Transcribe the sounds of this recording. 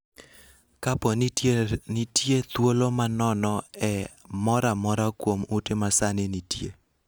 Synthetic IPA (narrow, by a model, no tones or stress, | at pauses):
kapɔnnitjet̪wolomanɔnɔɛmɔɾamɔɾakwomutemasanɪnitjḛ